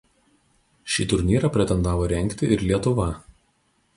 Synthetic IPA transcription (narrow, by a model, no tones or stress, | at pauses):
ʃʲiːt̪ʊɾʲnʲiːɾɐpʲɾʲɛt̪ʲɛnd̪ɑːʋoːɾʲɛŋʲˑkt̪ʲɪʔɪɾlʲiɛt̪ʊʋɐ